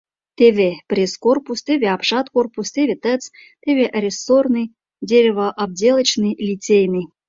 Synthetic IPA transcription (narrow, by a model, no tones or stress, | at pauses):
t̪ʲevʲeprʲeskorpust̪ʲevʲeapʂɑt̪korpust̪ʲevʲet̪ət͡st̪ʲevʲeʔrʲesornɨj | dʲeɾʲɪvəʔab̚dʲelˠə̆t͡ɕnɨjlʲit͡sʲejnɨ